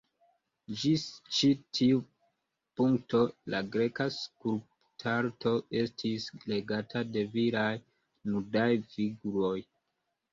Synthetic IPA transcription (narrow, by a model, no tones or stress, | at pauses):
d͡ʒist͡ʃitʰiu | puŋkto̞laɡɾe̞kaskulp | tʰaɾtʰo̞e̞stʰisle̞ɡatʰade̞viɾaj | nudajfiɡuɾo̞j